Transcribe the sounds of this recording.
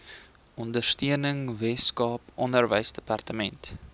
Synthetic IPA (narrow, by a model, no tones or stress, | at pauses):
ɔndərstiənəŋvɛskɑːpʔɔndərvəjsdəpɑrtəmɛnt